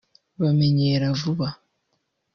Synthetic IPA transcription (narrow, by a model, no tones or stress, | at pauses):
βameɲeɾavuβa